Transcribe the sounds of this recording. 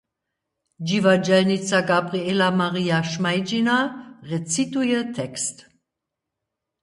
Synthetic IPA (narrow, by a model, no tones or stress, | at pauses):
d͡ʒivad͡ʒɛlnit͡saɡabʁielamaʁiːaʃmaɪd͡ʒinaʁet͡situjətʰɛkst